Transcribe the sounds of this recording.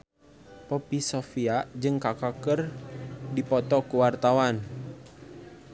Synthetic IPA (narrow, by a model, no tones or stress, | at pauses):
pɔpisɔfiaʔd͡ʒɨŋkakakərdipɔt̪ɔkuwart̪awan